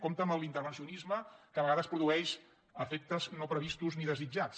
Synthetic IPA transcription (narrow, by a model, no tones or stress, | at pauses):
komt̪əmbəlint̪əɾβənsiunizməkəβəɣaðəspɾuðuɛʃ | əfek̚t̪əznopɾəβist̪uzniðəzid͡ʒat͡s